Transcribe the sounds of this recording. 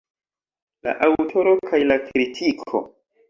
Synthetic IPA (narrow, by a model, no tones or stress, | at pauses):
la̰ʔawtʰo̞ɾo̞kʰajlakɾitʰikʰo̰